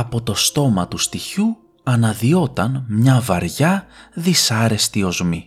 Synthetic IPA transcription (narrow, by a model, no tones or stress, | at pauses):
ɐpo̞t̪o̞st̪o̞mɐt̪ust̪içu | ɐnɐðio̞t̪ɐnmɲɐvɐɾʝɐðisɐɾe̞st̪io̞zmi